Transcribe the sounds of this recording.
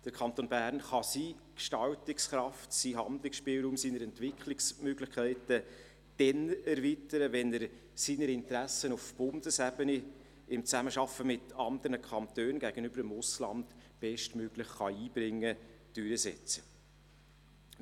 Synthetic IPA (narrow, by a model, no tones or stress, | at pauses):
d̥əɾkʰɑnt̪oːnbæːɾnχɑsiːkʃtɑwtɪksχɾɑftsiɦɑnd̪lɪksʃpɪlɾuːmsiːnəɾɛntʋɪkχlɪksmøɡlɪχkʰæɪtə | d̥ɛnɛɾvitəɾəvɛnəɾ | siːnəɾɪnt̪ɾæsənʊfb̥ʊndəsæbəne | ɪmt͡sæməʃɑfəmɪtʰɑnd̪əɾnəkχɑnt̪øːnɡ̥æɡ̥ənʏbəɾəmʊslɑ̰ndb̥ɛʃtmøɡ̥lɪχχɑiːb̥ɾɪŋːəd̥ʏɾəsɛ̰t͡sə̥